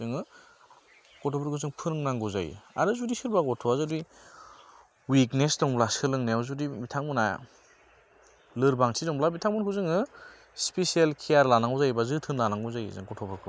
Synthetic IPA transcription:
zɯŋɯ | kɔtʰɔpʰɔɾkɯzɯŋpʰɯɾŋnaŋɡuza̰j̰a̰ɾɯzudisɯɾbaɡɔtʰɔazɯdi | wiknesdɔŋblasʰɯlɯŋneawzudimitʰaŋbɯna | lɯɾbaŋtʰizɔŋblabitʰaŋbunkʰuzɯŋɯ | spesialkʰijaɾlanaŋɡɔzajbazɯtʰɯnlanaŋɡuzaj̰zɯ̰ŋkɔtʰɔbɯɾkʰɯ

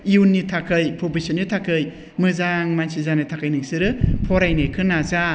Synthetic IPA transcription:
iunːitʰakʰɯjpʰobisinitʰakʰɯj | mɯzaŋmansizanɯtʰakʰajnɯŋsɯɾɯpʰɔɾajnekʰɯnaza

